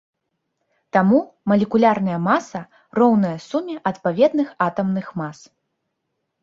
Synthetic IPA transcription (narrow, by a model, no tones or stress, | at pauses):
t̪amumɐlʲɛkulʲarnɐjɐmasɐ | rɔwn̪ɐjɐsumʲɛʔɐt̪pavʲɛd̪nɨxat̪ɐmnɨxmas